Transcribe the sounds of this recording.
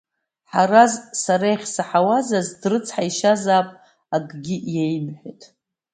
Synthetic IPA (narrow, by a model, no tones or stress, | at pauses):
ħaɾazsaɾajχʲsaħawazazdrɨt͡sʰħaiʃazaːpʼ | aɡʼɡʲiʔjejmħʷᶣetʼ